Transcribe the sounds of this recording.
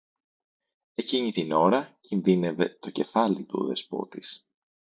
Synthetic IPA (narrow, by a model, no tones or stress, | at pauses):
e̞ciɲit̪ino̞ɾɐcinðine̞ve̞t̪o̞ce̞fɐlit̪uo̰ðe̞spo̞̰t̪is